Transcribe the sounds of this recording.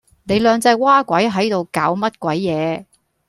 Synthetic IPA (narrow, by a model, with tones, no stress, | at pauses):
ne˨˧jlœː˨˧ŋt͡sɐ˧jwaː˥kʷɐ˨˥jɦɐ˨˥jt̪o˨wkaː˨˥wmɐ˥t̚kʷɐ˨˥jːɛː˨˧